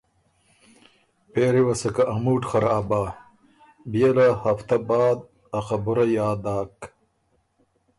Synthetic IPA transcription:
peːɾiwɐsɐkɐʔɐmuːʈxɐɾaːbaː | bijɐlɐhɐft̪ɐbaːd̪ | ɐqɐbuɾɐjaːd̪aːk

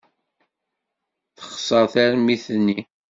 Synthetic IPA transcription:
θə̥χsˤəɾθæɾmiθənːi

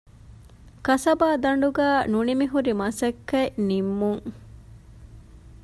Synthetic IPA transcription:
kɐsɐbaːd̪ɐɳ̆ɖuɡæːnunimiɦuɾimɐsɐkːɐnimːuŋ

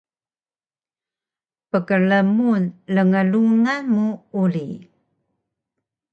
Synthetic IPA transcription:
pəkəɭəmunləŋəluŋamuuli

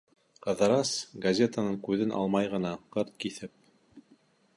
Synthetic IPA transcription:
qɤ̆ðɤɾɑsɡɐzʲet̪anɤɴkʉðɘnʔɑ̰lˠmɑjʁɤ̆nɑqɤɾt̪̚kiθɘp̚

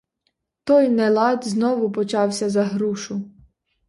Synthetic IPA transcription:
t̪ɔjnɛlˠɑd̪ʲznɔʋʊpɔt͡ʃɑwsʲɐzɐɦɾuʃʊ

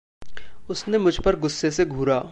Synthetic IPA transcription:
ʊsnemʊd͡ʒʱpɐɾɡʊsːeseɡʱuːɾaː

